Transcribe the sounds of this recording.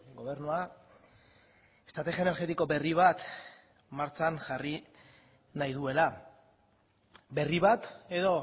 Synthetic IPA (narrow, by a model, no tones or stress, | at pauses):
ɡo̞β̞e̞ɾnua | est̪ɾat̪exjaene̞ɾɣe̞t̪iko̞be̞riβ̞at̪ | maɾt͡sanʝari | najðue̞la | be̞riβat̪e̞ðo̞